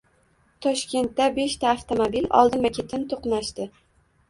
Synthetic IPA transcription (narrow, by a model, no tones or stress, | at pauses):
t̪ʰɒʃkʲe̞nt̪ːabe̞ʃt̪ʰaːft̪ʰomobilʔɒ̰lˠd̪ɪnmakʲʰe̞t̪ʰɪnt̪ʰoqnaʃt̪ɪ